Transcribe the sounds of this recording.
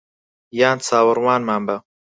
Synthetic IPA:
jaːnt͡sʰaːwəɾwaːnmaːmbɐ

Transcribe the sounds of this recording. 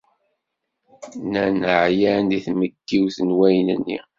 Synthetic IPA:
nænəʕjænd̪iθməɡːiwθənwæjnə̰nːḭ

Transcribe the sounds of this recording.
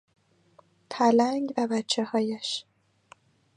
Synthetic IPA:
pʰælæŋɡvæbæt͡ʃʰːehɒːjæʃ

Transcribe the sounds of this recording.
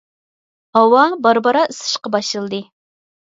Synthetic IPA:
hɑwɑbɑɾbɑɾɑɨsɨ̥ʃqɑbɑʃɨlˠd̪ɨ

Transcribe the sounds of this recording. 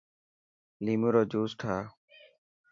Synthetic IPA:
liːmuɾɔːd͡ʒuːsʈʰaː

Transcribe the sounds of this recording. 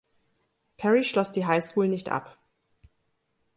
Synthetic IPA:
pʰɛʁiʃlɔsd̥iːɦaɪskʰuːlnɪçtʔa̰p

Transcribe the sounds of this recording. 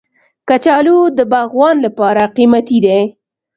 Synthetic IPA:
kat͡ʃɑlud̪əbɑɣwɑnlapɑɾaqimat̪id̪e

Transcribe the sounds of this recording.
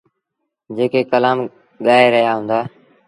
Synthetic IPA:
d͡ʒeːkeːkəlaːm | ɠaːeːɾəɦjaːɦʊ̃ːnd̪aː

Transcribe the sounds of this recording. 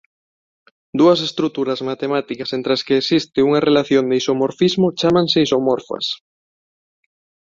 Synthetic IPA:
d̪uɐsest̪ɾut̪uɾɐzmat̪emat̪ikɐsent̪ɾɐskeːsist̪ɪuŋɐrelaθjond̪eisomoɾfizmot͡ʃamãŋseisomoɾfɐ̰s

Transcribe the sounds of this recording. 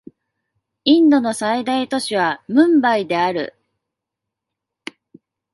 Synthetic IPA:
ĩnd̪o̞no̞said̪ait̪o̞ɕiβ̞amɯ̟̃mbaid̪e̞aɾɯ̟̰

